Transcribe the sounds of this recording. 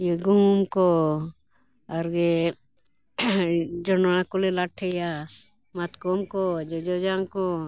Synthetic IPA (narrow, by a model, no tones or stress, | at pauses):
jiɡumkɔ | aɾɡe | d͡ʒɔnakulelaʈʰːɛja | mat̪kɔmkɔd͡ʒɔd͡ʒɔd͡ʒaŋkɔ